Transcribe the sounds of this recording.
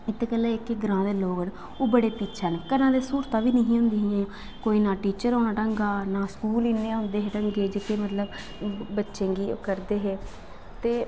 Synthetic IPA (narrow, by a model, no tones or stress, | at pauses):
ɪt̪ːeːkəlːeːɪkeɡəɾãːd̪eːloːɡən | oːbəɽeːpiːt͡ʃʰaːneːkənãːd̪eːsuːɾt̪aːʋiːnəɦĩːɦʊ̃nd̪iːɦãː | koːiːnãːʈiːt͡ʃəɾoːnãːʈəŋɡaːnaːskuːliːnːeãɦʊ̃nd̪eːɦeːʈəŋɡeːd͡ʒekeːmət̪ləb | bətːʃẽːŋɡiːkəɾd̪eːɦeː | t̪eː